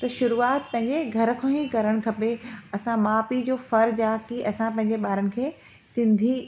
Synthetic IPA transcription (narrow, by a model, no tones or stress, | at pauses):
t̪ɐʃʊɾuːaːt̪̚pɐ̃ɦɪ̃ɲd͡ʑeɡʱɐɾə̆kʰãːɦĩkɐɾəɽ̃̆kʰɐpeɐsãmaːpid͡ʑoːfɐɾd͡ʑaːkiʔɐsãpɐ̃ɦɪ̃ɲd͡ʑeɓaːɾənɪ̆kʰeː | sɪ̃nd̪ʱi